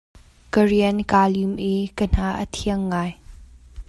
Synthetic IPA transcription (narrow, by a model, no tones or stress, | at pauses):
kəɹiənkaːlimʔikən̥aːʔət̪ʰiəŋːaːj